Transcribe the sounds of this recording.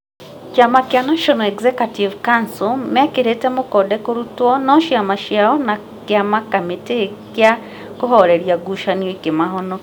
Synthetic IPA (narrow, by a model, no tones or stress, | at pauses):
t͡ʃamakjanaʃɔnɔɛkzɛkativkansomakeɾetɛmokɔdɛkoɾutwɔnɔʃjamaʃjaɔna | kjamakametekja | koɦɔɾɛɾjaɡuʃaniɔikemaɦɔnɔ